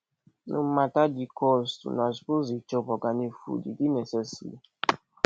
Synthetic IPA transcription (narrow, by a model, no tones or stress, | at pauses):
nṵ̃m̩matad͡ʒikɔstṵnasi̥pozit͡ʃɔbɔɡanifṵdḭdinesɛsḭ